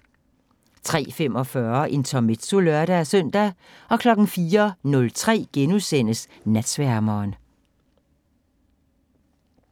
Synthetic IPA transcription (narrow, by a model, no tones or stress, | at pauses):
t͡sʰʁɛ̰ːfem̰ɒ̽fɶɐʔe̝nt͡sʰɒme̝d̥solœɐɾææsœn̰d̥æ | ɒ̽kʰlɒ̽ɡ̥n̩fiːɐnɔ̽lt͡sʰʁɛ̰ːɡ̥enusen̰əs | næd̥sʋæɐmɒːn